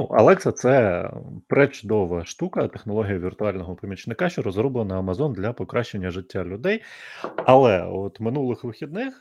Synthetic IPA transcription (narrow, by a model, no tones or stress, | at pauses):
nuʔɐ̰lˠɛksɐt̪sɛpɾet͡ʃʊd̪ɔʋɐʃt̪ukɐt̪exnɔlˠɔɦʲijɐʋʲirt̪ʊɑlʲnɔɦɔpɐmʲit͡ʃnɪkɑʃt͡ʃɔɾɔzɾɔblˠenɐɐmɐzɔnd̪lʲɐpɔkɾʔɑʃt͡ʃenʲːɐʒɪtʲːalʲʊd̪ɛjɐlˠɛ̰ɔt̪mɪnulˠɪxʋɪxʲid̪nɪx